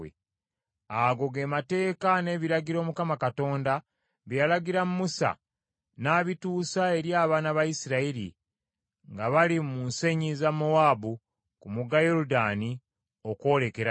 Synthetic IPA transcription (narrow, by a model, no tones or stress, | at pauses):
ḛ | aɡo̞ɡe̞ːmate̞ːkane̞βiɾaɟiɾo̞ːmukamakato̞ːnda | βijalaɟiɾamumusa̰ | naːβituːsae̞ɾjaːβaːnaβajisiɾaiɾḭ | ŋɡaβalimunse̞ɲizamoabu | kumuɡajoɾudaːni | oko̞ːle̞keɾa